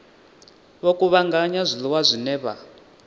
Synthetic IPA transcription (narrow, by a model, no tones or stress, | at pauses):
βokʼuβaŋɡaɲazʷiliwazʷinɛːβa̰